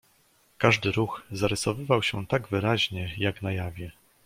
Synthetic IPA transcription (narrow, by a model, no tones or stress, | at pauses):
kaʐd̪ɘɾuxzaɾɛsɔvɘvawɕɛt̪aɡvɘɾaʑɲɛjaɡnajavʲjɛ